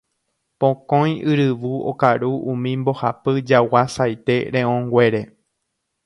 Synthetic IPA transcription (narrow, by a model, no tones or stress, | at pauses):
põkõj̃ɨɾɨʋuo̰kaɾuʔũmĩmbo̞hapɨd͡ʒawasajt̪e̞ɾẽõŋɡwe̞ɾe̞